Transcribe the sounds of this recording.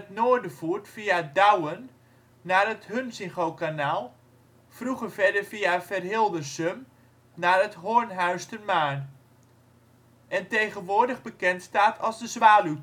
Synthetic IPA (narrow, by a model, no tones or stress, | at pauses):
ətnoːɹdəvuːɹtfiadawənː | aːrətɦønsɪŋχowkanaːlˠ | fruχəɹvɛɹdəɹviafɛrɦɪlˠdəsøm | naːrətɦoːɹnɦœɥstənmaːn | ʔɛntejχənʋʊːɹdəχbəkɛntstaːtʰɑlˠzdəzʋaːly